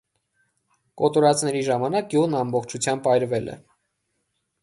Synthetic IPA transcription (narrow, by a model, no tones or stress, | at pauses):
kɔt̪ɔɾɑt͡sʰnɛɾiʒɑmɑnɑk̚ɡjuʁnɑmbɔχt͡ʃʰut͡sʰjɑmbɑjɾvɛlʔɛ̰